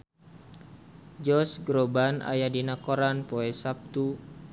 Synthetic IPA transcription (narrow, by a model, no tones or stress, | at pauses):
d͡ʒɔsɡɾobana̰jadinakoɾanpoɛsap̚t̪u